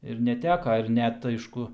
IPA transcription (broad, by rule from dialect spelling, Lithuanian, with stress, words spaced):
ɪr nʲɛˈtʲæːkɐ ɪr ˈnʲɛt ˈɐɪʃkʊ